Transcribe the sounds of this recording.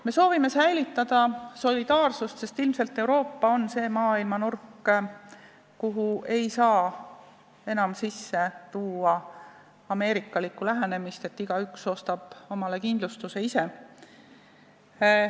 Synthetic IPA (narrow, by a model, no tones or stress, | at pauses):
me̞so̞ːvimesæjlit̪ˑːɑd̪̥ɑso̞lʲid̪̥ɑːrsust̪se̞st̪ilmse̞lt̪ːe̞uwɾo̞ːpːɑo̞nse̞ːmɑːilmɑnurkː | kuɦue̞jsɑː | e̞nɑmsisːe̞t̪uːɑ | ɑme̞ːɾikːˑɑlikːulæɦene̞mist̪e̞t̪ːiɡ̥ɑykso̞ːst̪ɑb̥o̞mɑle̞kind̪̥lust̪use̞ise̞